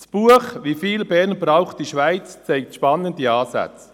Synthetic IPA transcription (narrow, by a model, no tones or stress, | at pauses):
sb̥uːəχʋifiːlbɛɾnbɾaʊχtiʃvaɪt͡st͡sɛɪk̚tʃpɑnːəndiɑːsæ̰t͡s